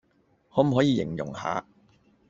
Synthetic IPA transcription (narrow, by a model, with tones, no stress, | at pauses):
hɔː˨˥m̩˨˩ɦɔː˨˥jiː˨˧jɪ̰˨˩ŋjʊ̰˨˩ŋha̰ː˨˧